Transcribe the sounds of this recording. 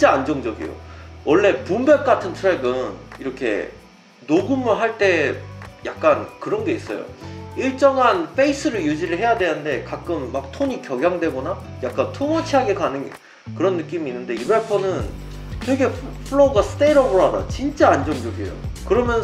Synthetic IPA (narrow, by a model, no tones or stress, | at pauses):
t͡ɕ͈aːnd͡ʑʌŋd͡ʑʌɡḭjo̰wʌɭːe̞pumbep̚k͈atʰɯntʰuɾe̞ɡɯniɾʌkʰe̞̰ | noɡumɯɭɦaɭt͈e̞jak̚k͈ankɯɾʌnɡe̞is͈ʌ̰jo̰iɭt͡ɕ͈ʌŋɦanpʰe̞is͈ʰɯɾɯjud͡ʑiɾɯɭɦe̞jadwe̞jande̞kak͈̚ɯmːak̚tʰoɲikjʌɡjaŋdwe̞ɡʌna | jak̚k͈antʰoŋʌt͡ɕʰiɦaɡe̞kanɯn | kɯɾʌnːɯk͈imiːnːɯnde̞ibepʰʌnɯn | tʰeɡe̞pʰɯɭoɡasʰɯ̥t͈eɾʌboɾada̰t͡ɕint͡ɕ͈aːnd͡ʑʌŋd͡ʑʌɡḭjo̰kɯɾʌmjʌn